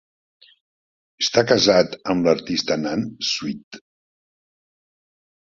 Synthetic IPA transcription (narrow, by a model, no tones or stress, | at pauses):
əst̪akəzat̪əmləɾt̪ist̪ənanswit̪